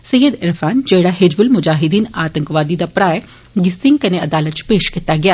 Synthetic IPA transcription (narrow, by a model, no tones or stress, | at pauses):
sɐjəd̪ɪɾfʰaːnd͡ʒeːɽaːɦed͡ʒbʊlmʊd͡ʒaːɦɪd̪iːnaːt̪ə̃ŋkʋaːd̪id̪apɾaːɛ | ɡɪsɪŋɡkɐneɐd̪aːlət̪̚t͡ʃpeːʃkɪt̪aɡɪjaː